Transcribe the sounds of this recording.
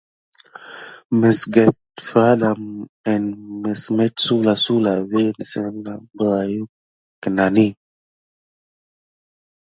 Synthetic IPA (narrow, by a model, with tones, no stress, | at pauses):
mə˨sɡe˨t | fa˦la˨mə˨nmə˨sme˦tsu˦la˨su˦la˨ve˦nə˨sə˦na˨bə˦a˨ju˦ | kə˨na˨ni˦